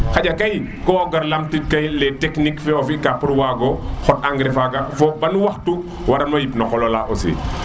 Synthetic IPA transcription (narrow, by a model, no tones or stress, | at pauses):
xaɟɐkɐj | kɔːɡɐɾlamtit̚kɐjlɛtɛknikfɛɔfikapːuɾwaɡɔxɔtaŋɡɾifaɡɐfɔbɐnuwɐxtu | wɐɾɐmnɔjipnɐkɔlɔlaɔsḭ